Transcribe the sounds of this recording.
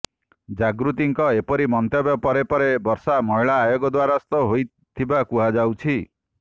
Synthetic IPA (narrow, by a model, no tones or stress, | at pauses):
d͡ʒaɡɾut̪iŋkɔepɔɾimɔnt̪jabjɔpɔɾepɔɾebɔɾsamɔjɭaːjɔɡɔd̪waɾast̪ɔɦoj | t̪ʰibakuɦad͡ʒawt͡ʃʰi